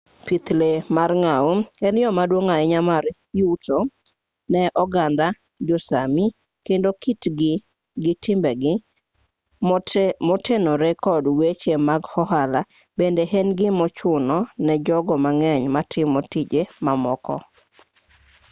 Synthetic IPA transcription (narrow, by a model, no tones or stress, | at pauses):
pit̪lemarŋauɛnɪjɔmadwoŋaɛɲamaɾ | juto | nɛʔɔɡanda | d͡ʒosami | kendokitɡɪ | ɡɪtɪmbɛɡɪ | mɔtʰenɔɾɛkʰɔdwet͡ʃemaɡhɔɦala | bendeɦɛnɡɪmɔt͡ʃʊnɔnɛd͡ʒɔɡɔmaŋɛɲmatʰɪmːotid͡ʒemamɔkɔ̰